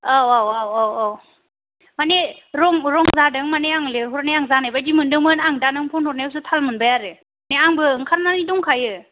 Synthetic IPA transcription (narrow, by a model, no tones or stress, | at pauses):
awawawawɔw | mane | ɾɔŋɾɔŋzadɯŋmaneaŋleɦɔt̚najaŋzanajbajdimɯndɯŋmɯnaŋdanɯŋpʰɔnhɔt̚najs̬ɯtʰalmɯnbajaɾɯ | neaŋbɯɯŋkʰaɾnanidɔŋkʰajɯ